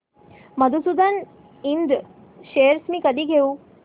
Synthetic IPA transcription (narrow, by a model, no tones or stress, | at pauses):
məd̪ʱusud̪ʱən | ind̪ | ɕejəɾsmiːkəd̪ʱiːɡʱeuː